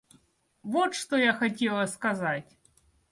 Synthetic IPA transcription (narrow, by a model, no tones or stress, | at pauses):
vɔt̪ʂt̪ɔjaxatʲɛlˠɐskazatʲ